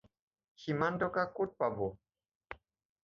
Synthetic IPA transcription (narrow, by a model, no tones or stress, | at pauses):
ximandokakut̪̚pabo